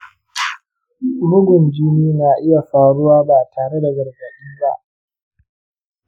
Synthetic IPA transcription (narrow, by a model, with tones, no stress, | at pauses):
mʊ˦ɡʷʊ˨nd͡ʒi˦miː˦naː˨ʔɪ˦ja˨ɸaː˨ɽʊ˦waː˦ba˨tʰaː˨ɽe˦da˨ɡɐ˨rɡɐ˨ɗiː˦ba˦ʔ